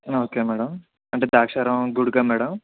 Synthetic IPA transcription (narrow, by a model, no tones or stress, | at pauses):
oːkeːmɛːɽɐm | ɐɳʈeːd̪aːkʂɐːɾɐmɡuɽɡaːmɛːɽɐm